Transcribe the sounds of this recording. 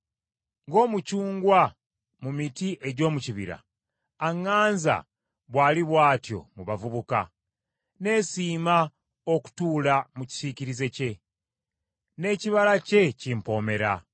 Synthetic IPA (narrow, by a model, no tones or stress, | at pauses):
ŋɡo̞ːmucuːŋɡwa | mumitiʔe̞ɟo̞ːmuciβḭɾa̰ː | ŋːaːnza̰ | βwaːliβwaːtjo̞̰muβavuβuka̰ | ne̞ːsiːma | o̞ku̥tuːlamuci̥siciɾize̞ce̞ | ne̞ːciβalace̞cimpo̞ːme̞ɾa̰